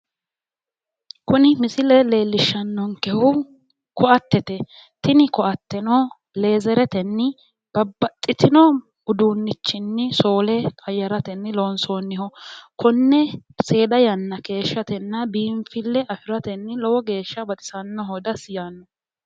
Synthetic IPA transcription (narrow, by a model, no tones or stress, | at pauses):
kʊnɪmɪsɪlɛle̞ːlːɪʃːɐnːɔŋkɛhʊ | kɔʔɐt̪ːɛt̪ɛ | t̪ɪnɪkɔʔɐt̪ːɛnɔ | le̞ːzɛɾɛt̪ɛnːɪ | b̥ɐbːɐt̪ʼːɪt̪ɪnɔ | ʊd̪uːnːɪt͡ʃːɪnːɪso̞ːlɛkʼɐjːɐɾɐt̪ɛnːɪloːnsoːnːɪhɔkɔnːɛse̞ːd̪ɐjɐnːɐke̞ːʃːɐt̪ɛnːɐbiːɱfɪlːɛʔɐfɪɾɐt̪ɛnːɪlɔwɔɡe̞ːʃːɐbɐt̪ʼɪ̥sɐnːɔɦɔd̪ɐsjaːnːɔ